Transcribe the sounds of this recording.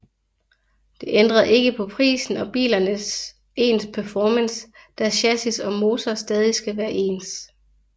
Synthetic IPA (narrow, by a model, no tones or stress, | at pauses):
d̥e̝ʔend̥ʁɐð̩ˠʔe̝ɡ̥əpʰɒ̽pʰʁḭːsn̩ɒ̽b̥ḭːlɐnəs | e̝̰ːnspʰæɐfɒːməns | d̥æɕæsisɒ̽mo̝ːt͡sʰɐsd̥ɛːð̞ˠisɡ̥æʋæːɐʔe̝̰ːns